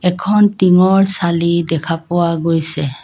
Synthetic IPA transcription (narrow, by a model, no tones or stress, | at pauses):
ɛkʰɔntiŋɔɹsalidɛkʰapʊwaɡojsɛ